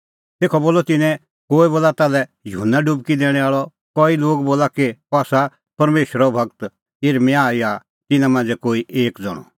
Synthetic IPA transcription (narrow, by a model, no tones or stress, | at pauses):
t̪eːkʰɔboːlɔt̪ɪnɛ̃ | koːiboːlat̪aːlɛjʊɦənːaɖubkid̪ɛːɽ̃ɛ̃aːɭɔ | kɔiloːɡboːlakepaːsa | pɐɾmeːʃəɾɔbʱɐɡ̚t̪ | eɾmɛ̃aːia | t̪ɪnãmãːnd͡zɛkoːiʔeːkd͡zɔ̰ɽɔ̰